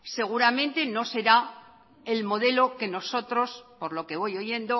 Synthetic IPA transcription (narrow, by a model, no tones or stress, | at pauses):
se̞ɣ̞uɾamẽ̞nt̪e̞no̞se̞ɾa | elmo̞ð̞e̞lo̞ke̞no̞so̞t̪ɾo̞spo̞ɾlo̞ke̞β̞o̞jo̞ʝe̞nd̪o